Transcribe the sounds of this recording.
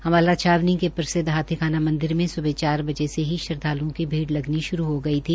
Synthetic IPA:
hɐmaːlat͡ʃʰaːʋnĩŋkepɾɐsɪd̪ɦaːt̪ʰikʰaːnamɐ̃nd̪ɪɾmẽsʊbʱet͡ʃaːɾbɐd͡ʒeseɦiʃɐɾd̪ʱaːlõkibʱiːɽlɐɡniʃʊɾuɦoɡɐit̪ʰiː

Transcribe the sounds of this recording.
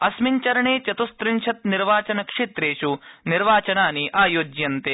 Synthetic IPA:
ɐsmiɲt͡ʃɐɾɐɳeːt͡ʃɐt̪ust̪ɾɪɲʃʰɐt̪̚niɾʋaːt͡ʃɐnɐkʂeːt̪ɾeːʃuniɾʋaːt͡ʃɐnaːniʔaːjoːd͡ʒjɐnt̪eː

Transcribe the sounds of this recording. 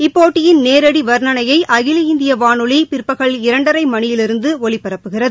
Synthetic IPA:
ɪpːoːʈːɪjɪnneːɾɐɽiʋɐɾnɐnɐjɐɪʔɐɣɪlɪɪnd̪ɪjɐʋaːnɯɭipɪrpːɐɣɐɭɪɾɐɳɖɐɾɐɪmɐɳɪjɪlɪɾɯnd̪ɯɔɭipːɐɾɐpːɯɣɪrɐðɯɯ

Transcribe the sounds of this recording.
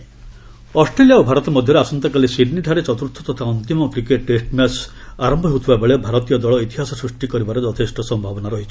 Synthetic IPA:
ɔsʈɾelijaobʱaɾɔt̪ɔmɔd̪ʱjɔɾeasɔnt̪ɔkalisiɖniʈʰaɾet͡ʃɔt̪uɾt̪ʰɔt̪ɔt̪ʰaɔnt̪imɔkɾikeʈːesʈmasaɾɔmbʱɔɦut̪ʰubabeɭebʱaɾɔt̪ijɔd̪ɔɭɔit̪iɦasɔsɾusʈikɔɾibaɾed͡ʒɔt̪ʰesʈʰɔsɔmbʱabɔnaɾɔɦit͡ʃʰɔ̥

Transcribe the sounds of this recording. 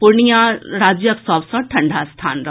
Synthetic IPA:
pʊɾɳijaɾaːd͡ʒjəksɔːfsɔʈʰɐ̃ɳɖʱast̪ʰa̰ːnɾɐɦ

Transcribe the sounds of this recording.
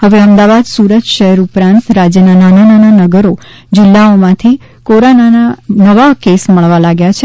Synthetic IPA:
həʋeəmd̪aʋad̪suɾət̪ʃəɦɛɾupɾãnt̪ɾad͡ʒjənanananananəɡəɾo | d͡ʒɪlːaomãt̪ʰi | koɾanananəʋakesməɭʋalaɡjat͡ʃʰe

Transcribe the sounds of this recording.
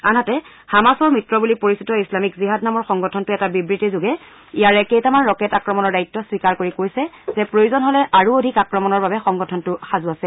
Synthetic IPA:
anatɛ | xamasɔɹmitɹɔbulipoɹisitɔislamikziɦadnamɔɹxɔŋɡɔtʰɔntʊɛtabibɹitizoɡɛ | ijaɹɛkejtamanɹɔkɛtakɹɔmɔnɔɹdajtːɔswikaɹkoɹikojsɛzɛpɹojuzɔnɦɔlɛʔaɹuodʱikakɹɔmɔnɔɹbabɛxɔŋɡɔtʰɔntʊxazuasɛ

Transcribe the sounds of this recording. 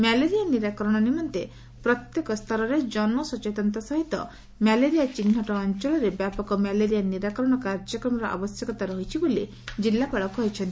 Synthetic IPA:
mɛleɾijaniɾakɔɾɔɽ̃ɔnimɔnt̪e | pɾɔt̪jekɔst̪ʰɔɾɔɾed͡ʒɔnmɔsɔt͡ʃet̪ɔnt̪ɔsɔɦit̪ɔ̰ | mɛleɾijat͡ʃin̤ːɔʈɔːnt͡ʃɔɭɔɾebjapɔkɔmɛleɾijaniɾakɔɾɔɽ̃ɔkaɾd͡ʒɔkɾɔmɔɾɔʔa̰bɔsjɔkɔt̪aɾɔɦit͡ʃʰiboli | d͡ʒilːapaɭɔkɔɦit͡ʃʰɔnt̪i̥

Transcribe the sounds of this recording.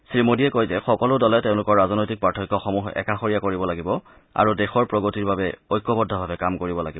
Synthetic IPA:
sɹimodiɛkojzɛxɔkɔlʊdɔlɛteʊ̃lʊkɔɹːaznojtik̚pɹatʰɔkːɔxɔmuxɛ̰kaxoɹijakoɹibɔlaɡibɔ | a̰ɹudɛxɔɹpɹɔɡotiɹbabɛojkːɔbɔdʱːɔbʱabɛkamkoɹibɔla̰ɡib

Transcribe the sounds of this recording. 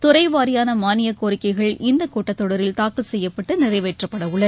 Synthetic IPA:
t̪ʊɾɐɪʋaːɾɪjaːnɐmaːnɪjɐkoːɾɪkːɐɪɣɐɭɪnd̪ɐkoːʈːɐt̪ːɔɽɐɾɪlt̪aːkɯlsɛjːɐpːɐʈːɯnɪrɐɪʋeːʈrɐpːɐɽɐʋɯɭːɐɾ

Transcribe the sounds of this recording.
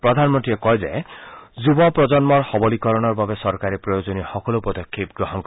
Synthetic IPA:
pɾɔd̪ʱanmɔnʈ̪iekɔjd͡ʒḛd͡ʒubɔpɾɔd͡ʒɔnmɔɾhɔbɔlikɔɾɔɽ̃ɔɾbabesɔɾkaɾipɾɔjod͡ʒɔnixɔkɔlupɔd̪ɔkʰːipɡɾɔɦɔnk

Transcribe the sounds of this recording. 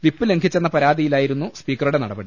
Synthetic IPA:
ʋipːɨle̞ŋkʰit͡ɕːenːɐpɐɾaːd̪ijilaːjiɾunːuspiːkːɐrɾuɽe̞nɐɽɐbɐɽi

